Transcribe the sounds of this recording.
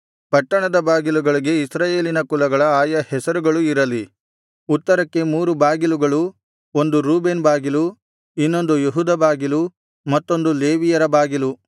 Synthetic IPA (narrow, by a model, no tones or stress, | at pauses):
pɐʈːɐɳɐd̪ɐbaːɡiluɡɐɭiɡe̞isɾaːje̞ːlinɐkulɐɡɐɭɐaːjɐhɛsɐɾuɡɐɭuiɾɐli | ut̪ːɐɾɐkːe̞muːɾubaːɡiluɡɐɭu | o̞nd̪uɾuːbe̞ːnbaːɡilu | inːo̞nd̪ujeɦud̪ɐbaːɡilu | mɐt̪ːo̞nd̪ule̞ːʋijɐɾɐbaːɡilu